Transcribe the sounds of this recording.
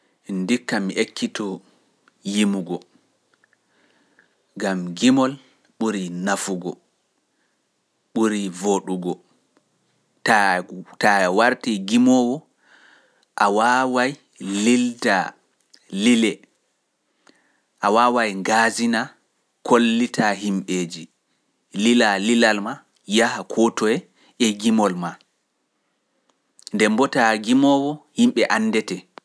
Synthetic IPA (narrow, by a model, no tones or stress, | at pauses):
ndikːamiʔekʰːitɔ | jimuɡɔ | ɡamɡimɔl | ɓuɾinafuɡɔ | ɓuɾivoɗuɡɔ | tatawaɾtiɡimɔwɔ | ʔawawaj | lilda | lilɛ | ʔawaːwajŋɡazina | kʰolːitaɦimɓed͡ʒi | lilalilalma | jahakʰɔtɔjɛ | ɛɡimɔlma | ndɛmbɔtaɡimɔwɔhimɓɛʔanːdɛtɛ